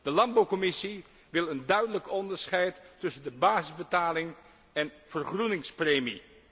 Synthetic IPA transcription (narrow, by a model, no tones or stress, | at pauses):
d̥əlɑndbɑwkɔmɪsi | ʋɪlˠəndœɥdələkɔndəɹsχɛjtːɵsəndəbaːzɪzbətaːlɪŋ | ɛnv̥ərχrunɪŋspreːmi